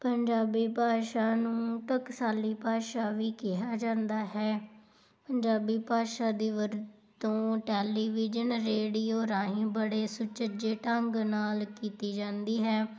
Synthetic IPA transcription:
pəɲd͡ʒaːbiːpaːʃaːnũːʈəksaːliːpaːʃaːʋiːkɪɦaːd͡ʒãːnd̪aːɦɛː | pəɲd͡ʒaːbiːpaːʃaːd̪iːʋəɾ | t̪õːʈɛːliːʋɪd͡ʒənɾeːɽiːoːɾãːɦĩːbəɽeːsʊt͡ʃəd͡ʒeːʈəŋɡnaːlkiːt̪iːd͡ʒãːnd̪iːɦɛː

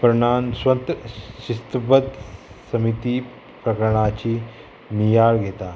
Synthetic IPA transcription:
pəɾɳansʋənt̪ɕist̪pəd̪sɐmit̪i | pɾɐkəɾɳ̃at͡ɕi | nijaɭɡʱet̪a

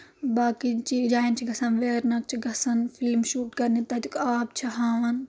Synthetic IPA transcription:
baːkit͡ʃid͡ʒaːint͡ʃʰiɡɐsɐnʋeːɾnɐk̚t͡ʃʰiɡɐsɐnfilmʃuːʈkɐɾnit̪ɐt̪ukaːb̚t͡ʃʰɐɦaːʋɐn

